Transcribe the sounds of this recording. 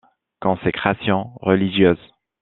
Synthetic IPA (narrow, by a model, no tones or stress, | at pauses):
kɔ̃sekχasjɑ̃ʁəliʒjøːz